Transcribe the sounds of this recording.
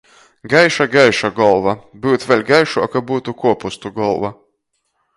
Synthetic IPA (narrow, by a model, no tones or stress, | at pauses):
ɡajʃaɡajʃaɡɔlˠvabɨwt̪vʲɛlʲɡajʃuakabuːt̪ukuɔpust̪uɡɔlˠva